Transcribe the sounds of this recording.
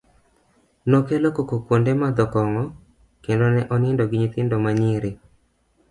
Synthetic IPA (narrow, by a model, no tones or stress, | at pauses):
nokelokokokwondemad̪ɔkɔŋɔ | kendonɛʔɔnɪndoɡɪɲɪt̪ɪndomaɲɪɾe